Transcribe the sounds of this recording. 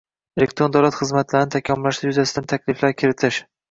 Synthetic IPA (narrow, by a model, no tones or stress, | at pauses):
elek̚t̪ɾond̪awlˠat̪χɨzmat̪laɾɪnɪt̪ʰakʲʰɒmɪlaʃd̪ajʊzasɪd̪ant̪ʰakʲlɪflaɾkʲʰɪɾɪt̪ʰɪʃ